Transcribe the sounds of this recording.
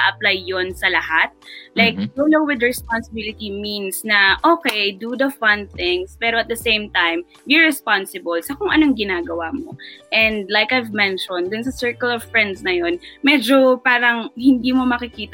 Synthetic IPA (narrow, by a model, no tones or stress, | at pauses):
ʔɐplajːonsɐlɐhat̪̚lajk̚ɡolowɪd̪ɹɛspansɪbɪlɪt̪iminsnɐʔoːkɛjd̪ud̪ɐfɐ̃nθɪ̃ŋspɛːɾoɐt̪̚d̪ɐsẽjmt̪ãjm | jɔɹɹɛspansɪbɐlsɐkʊŋʔɐnoŋɡɪnaːɡɐwamo̰ʔɛ̃nd̪̚lajkɐjvmɛ̃nʃɔ̃nd̪d̪ʊnsɐsɛɹkɐlɔv̥fɹɛnd̪snɐjonmɛd͡ʒopaːɾɐŋhɪnd̪imomɐkɪkiːt̪